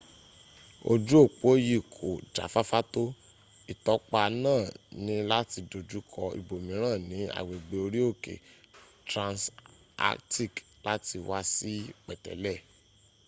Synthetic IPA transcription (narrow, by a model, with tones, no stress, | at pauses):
o̰˧d͡ʒu˦o˦˨k͡po˨˦ji˦˨kʰo˨d͡ʒa̰˨˦fa˦fa˦to˦ | i˨tɔ˨˦k͡pa˧nãː˦˨nĩ˧la˦ti˧do˨d͡ʒu˦kʰɔ˧ḭ˨bo˨mĩ˨˦ɾ̃ãː˦˨nĩ˨˦a̰˨we˨ɡ͡be˧o˧ɾi˦o˦˨kḛ˨ | tɾã˧ns | a̰˦kti˦˨k | la˦ti˧wa˧˦si˦k͡pɛ˨tɛ̰˨lɛ˦˨